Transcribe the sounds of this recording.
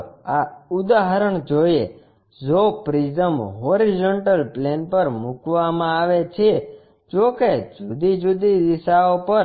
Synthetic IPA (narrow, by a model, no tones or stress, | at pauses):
aud̪aɦəɾəɳd͡ʒoje | zopɾid͡ʒəmɦoɾid͡ʒoɳʈəlplenpəɾmukʋamãaʋet͡ʃʰe | d͡ʒoked͡ʒud̪id͡ʒud̪id̪iʃaopəɾ